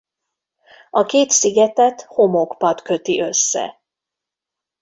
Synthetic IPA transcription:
ɒkeːt̪siɡɛt̪ɛt̪ho̞mokpɒt̪kø̞t̪iʔø̞sːɛ̰

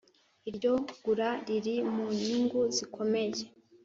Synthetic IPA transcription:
iɾɟo̞ɡ̥uɾaɾiɾimuɲiŋɡuzikʰo̞me̞je

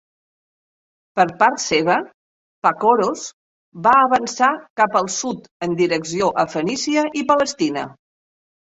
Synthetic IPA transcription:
pəɾpaɾt̪seβ̞ə | pakoɾos | βaəβənsakapəlˠsut̪ənd̪iɾəksioʔəfənisiəʔipələst̪inə

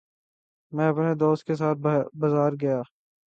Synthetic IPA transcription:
mɛ̃ːɐpned̪oːst̪̚kes̬aːt̪̚bɐzaːɾɡɐjaː

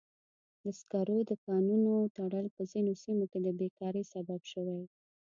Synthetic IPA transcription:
d̪əskaɾod̪əkɑnunot̪aɽəlpəzinosimoked̪əbekɑɾəjsababʃəwaj

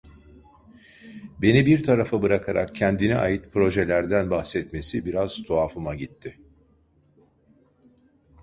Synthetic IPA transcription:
be̞nibiɾt̪ʰaɾafabɯɾakʰaɾa̰k̚cʰɛnd̪inɛajɯt̪pʰɾo̞ʒɛlʲæɾd̪ænbahxsɛt̪me̞sibiɾaz̥t̪ʰoaːfɯmaɟit̪ʰːɪ

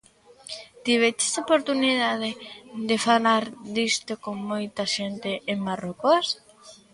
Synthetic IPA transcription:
t̪iβet͡ʃe̥sopoɾt̪uniðað̞ed̪efalaɾd̪ist̪okoŋmojt̪aʃent̪eʔːŋmarokos

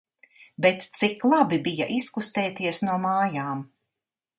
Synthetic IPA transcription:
bɛt̪t̪siklˠabibija̰ʔiskust̪ɛːt̪iɛsnuɔmaːjaːm

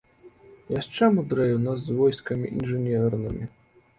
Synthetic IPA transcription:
jast͡ʂɛmud̪ɾɛjuwnazːvɔjskɐmʲḭʔḭnʐɨnʲɛrnɨmʲi

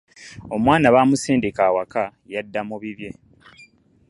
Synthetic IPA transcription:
o̞mwaːnaβaːmuseːndekaːwakajadːamuβiβje̞

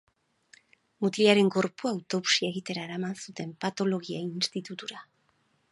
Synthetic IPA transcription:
mut̪ɾiaɾe̞ŋɡo̞ɾpuawt̪o̞βu̥sie̞ɣit̪e̞ɾaeɾamansut̪e̞mpat̪o̞lo̞ɣiainst̪it̪ut̪uɾa

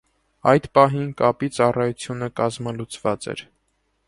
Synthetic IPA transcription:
ɑjd̪pɑɦinkɑpit͡sɑrɑjut͡sʰjunəkɑzməlut͡svɑt͡sɛ̰ɾ

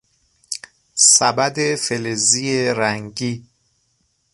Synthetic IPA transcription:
sæbæd̪efelezijeɾæŋɟiː

